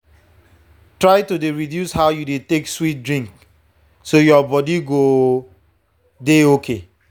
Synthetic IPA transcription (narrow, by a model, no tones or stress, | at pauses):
tɹaɪtudeɹidjushaʊjudetekswit̚dɹĩŋk | sojɔbɔdiɡo | deokʰe